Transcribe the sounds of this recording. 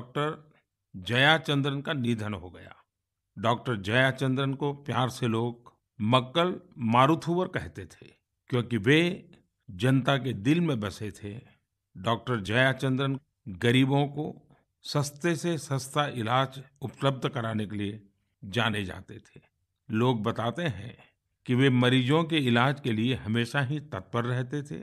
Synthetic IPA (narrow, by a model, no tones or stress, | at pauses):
ɔk̚ʈəɾ | d͡ʒɐjat͡ʃə̃nd̪ɾənkanid̪ʱənɦoɡɐja̰ː | ɖɔːk̚ʈəɾd͡ʒɐjat͡ʃə̃nd̪ɾənkopjaːɾseloːɡ̚ | mɐkːəlmaːɾut̪ʰuʋəɾkɛɦt̪et̪ʰe | kjõːkiʋe | d͡ʒɐnt̪aked̪ɪlmẽbɐset̪ʰe | ɖɔːk̚ʈəɾd͡ʒɐjat͡ʃə̃nd̪ɾən | ɡɐɾiːbõko | səst̪esesə̃st̪ʰaʔɪlaːd͡ʒʊpləb̚d̪ʱkɐɾaːnekelie | d͡ʒaːned͡ʒa̰ːt̪et̪ʰeː | loːɡ̚bɐt̪aːt̪eɦɛ̰̃ | kiʋemɐɾiːd͡ʒõkeɪlaːd͡ʒkelieɦɐmeːʃaɦit̪ɐt̪̚bəɾːɛɦt̪et̪ʰḛː